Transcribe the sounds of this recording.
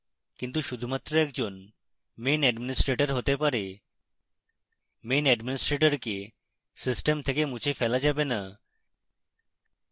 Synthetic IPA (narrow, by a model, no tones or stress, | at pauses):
kint̪uʃud̪ʱumat̪ːɾoɛkd͡ʑon | menɛɖminisʈɾeʈaɾɦot̪epaɾe | menɛɖminisʈɾeʈɔɾke | sisʈemt̪ʰekemut͡ɕʰefɛlad͡ʑabena